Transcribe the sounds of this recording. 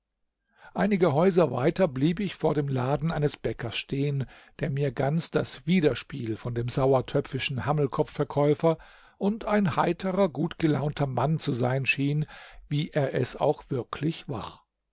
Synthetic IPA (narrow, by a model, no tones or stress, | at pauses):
ʔaɪnɪɡəɦɔʏzɐva̰ɪtɐbliːbɪçfoːɐɾeːmlaːdn̩ʔaɪnəsb̥ɛkʰɐsʃteːən | d̥eːɐmiːɐɡant͡sd̥asv̥iːdɐʃpiːlfɔndeːmzaʊɐtʰœp͡fɪʃn̩haml̩kʰɔpp͡ffɛɐkʰɔʏfɐ | ʔʊntaɪnhaɪtʰəʁɐɡuːtɡ̥əla̰ʊntʰɐmant͡suzaɪnʃiːnviːʔeːɐʔɛsa̰ʊxv̥ɪɐkʰlɪçv̥a̰ːɐ